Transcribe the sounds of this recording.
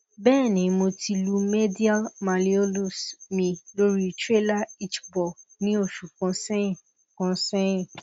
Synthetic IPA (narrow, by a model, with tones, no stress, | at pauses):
bɛː˦˨nĩ˨˦mo˧ti˧lu˧˦me˦di˦a˦lma˨li˦o˦lu˦smĩ˧lo˦ɾi˦tɾe˦la˦i˦t͡ʃbɔ˨nĩ˦o˦˨ʃu˨kɔ̃˨˧sɛ̃˦ĩ˦˨ | kɔ̃˧sɛ̃˦ĩ˨